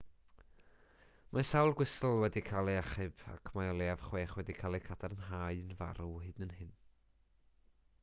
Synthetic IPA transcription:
masawlˠɡwɪsl̩ˠwɛdikʰalˠiaχɨb̥a̰kʰmaɔlˠjavχweːχwɛdikʰalˠikʰadʰaɾənɦaːɨənva̰ɾuhɨːdnənhɪn

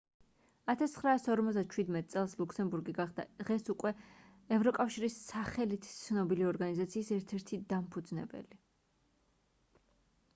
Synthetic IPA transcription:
at̪ʰast̪χɾaːsɔɾmɔt̪zd̪at͡ʃʰwid̪mɛt̪̚ʼt̪sʼɛlˠslˠuksɛmbuɾɡiɡaχd̪a̰d̪̥ʁɛsukʼwɛɛvɾɔkʼafʃiɾisːaχɛlit̪ʰt̪sʰnɔbiliɔɾɡanizat̪sʰiːsɛɾt̪ʰɛɾt̪ʰid̪ampʰud̪znɛ̰bɛ̰li

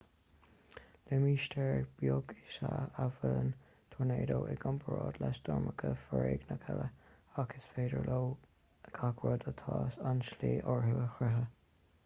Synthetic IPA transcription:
lɪmiːʃtʰɛɹb̥joɡɪʃaavələn | t̪ʰɔɹneːd̪oːʔɛɡampʰəɹoːd̪lɛst̪ɔɹməkʰəfəɹeːɡnəkʰɛləaɡəsfeːdəɹloː | kʰakʰwəd̪ət̪ʰɑːsanʃliːʔɔɹɦuwəxɾɪɦə

